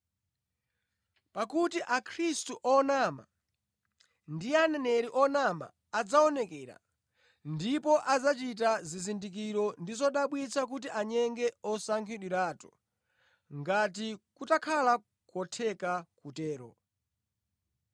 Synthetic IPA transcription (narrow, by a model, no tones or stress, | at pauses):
pakutiʔakʰɾistuʔɔnama̰ | ndianɛnɛɾiʔɔnama̰ːd͡zaɔnɛkɛɾa̰ | ndipɔʔad͡zat͡ʃit̬azizindik̬iɾɔndizɔɗaɓwit͡sʰak̬ut̬iʔaɲɛŋɡɛɔsaŋkʰiɗwiɾaːtɔ̥ | ŋɡat̬ikutakʰala | kɔtʰɛkakutɛːɾɔ̰